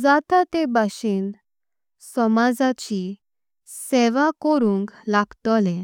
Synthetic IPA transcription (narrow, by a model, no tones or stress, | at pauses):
d͡zat̪at̪ebaɕin | sɔmad͡zat͡ɕi | seʋakɔɾũːŋklaɡt̪ɔlẽ